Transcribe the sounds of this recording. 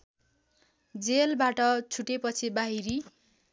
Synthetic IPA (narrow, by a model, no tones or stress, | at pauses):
d͡zelbaʈʌt͡sʰuʈepʌt͡sʰibaɦiɾi